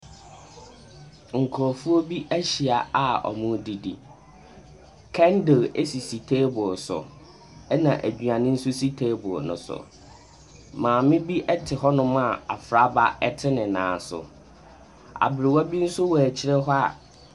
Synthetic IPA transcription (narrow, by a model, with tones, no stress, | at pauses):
ŋ̩˨kʰɔ˨fu˦o˦bi˦ʔæ˦ɕi˨a˨a˨ɔ̰˨mʊ̃˦di˨di˨ | kʰɛ̃˦ndɪ˨le˦si˨si˨tʰeː˦bʊ˨sʊ̰˨ | ɛ˦nã˨ʔæ˨d͡ʑᶣɥã˨nɪ̃˦n̩˦sʊ˦si˦tʰe˦bʊ˨nʊ̰̃˦sʊ̰˨ | mãː˨mɪ̃˦bi˦ʔɛ˦tʰɪ˨ɦɔ˦nʊ̃˦m˦a˨a̰˨fɾa˦ba˦ɛ˦tʰɪ˦nɪ̃˨nã̰ː˨n˨sʊ̰˨ | a̰˨bɪ˨ɾɪ˨wɔ˦bi˦n̩˦sʊ˦wɔ˨æ˨t͡ɕʰɪ˦ɾɛ˦ɦɔ˦a̰˨